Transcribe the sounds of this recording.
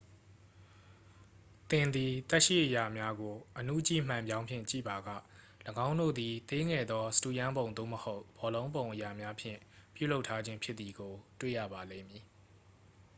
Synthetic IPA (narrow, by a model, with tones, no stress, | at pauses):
t̪ɪ̃˨nd̪i˨t̪ɛ˦ʔʃḭ˦˨ʔəja˨mja˦ɡo˨ʔən̥ṵ˦˨t͡ɕḭ˦˨m̥ã˨mjã˦ʊ̃mpʰjɪ̰̃˦˨t͡ɕḭ˦˨ba˨ɡä̰˦˨ | ləɡã˦ʊ̃ndo̰˦˨d̪i˨t̪e˦ŋɛ˨d̪ðɔ˦sə̥tu˦˨jã˦mbõ˨ʊ̃nd̪o̰˦˨məho˦ʊb̥ɔ˨lõ˦ʊ̃mbõ˨ʊ̃ʔəja˨mja˦pʰjɪ̰̃˦˨pjṵ˦˨lo˦ʊʔtʰːa˦d͡ʑɪ̃˦mpʰjɪ˦t̪t̪ːi˨ɡo˨twḛ˦˨jä̰˦˨ba˨lḛ̃˦˨mji˨